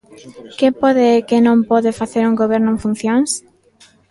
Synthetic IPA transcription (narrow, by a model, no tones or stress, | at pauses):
kepoðekenõmpoðefaθeɾuŋɡoβeɾnʊẽɱfun̟θjõŋs